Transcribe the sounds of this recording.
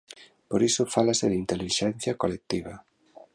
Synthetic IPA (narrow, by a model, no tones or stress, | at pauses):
poɾisʊfalasɪðint̪eliʃɛnθjɐkolek̚t̪iβɐ